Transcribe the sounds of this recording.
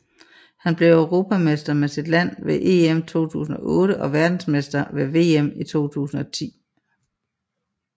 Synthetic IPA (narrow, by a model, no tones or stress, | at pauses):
hænb̥le̝ʊæʊʁo̝ːpʰæmesd̥ɐmesid̥læn̰ʋe̝ʔe̝ːemt͡sʰo̝̰ːt͡sʰṵːsn̩ɒ̽ʔɔ̽ːɾ̥əʔɒ̽ʋæɐd̥n̩smesd̥ɐʋe̝ʋe̝̰ːemit͡sʰo̝̰ːt͡sʰṵːsn̩ɒ̽t͡sʰḭː